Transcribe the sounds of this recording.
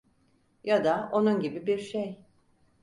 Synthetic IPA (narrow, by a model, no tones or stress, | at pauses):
jad̪ao̞nunɟibibiɾʃej